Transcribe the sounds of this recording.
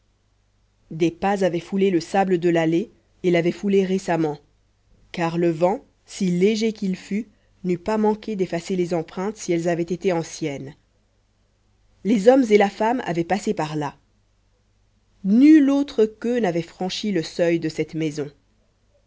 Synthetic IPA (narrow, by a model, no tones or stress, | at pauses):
d̪epazavɛfuleləsabləd̪əlale | elavɛfuleʁesamɑ̃ | kaʁləvɑ̃ | sileʒekʲilfy | nypamɑ̃kʲed̪efaselezɑ̃pχɛ̃t̪siɛlzavɛt̪et̪eɑ̃sjɛn | lezɔmzelafama̰vɛpasepaʁla | nylot̪χəkønavɛfχɑ̃ʃiləsœjd̪əsɛt̪mɛzɔ̃